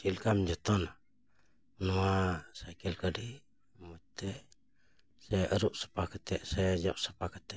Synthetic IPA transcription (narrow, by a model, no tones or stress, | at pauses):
silkamd͡ʒət̪ɔna | nuasakɛlkadi | mət̪ɛʔ | sɛəɾuʔsə̥pakət̪ɛʔsɛd͡ʒaʔsə̥pakət̪ɛʔ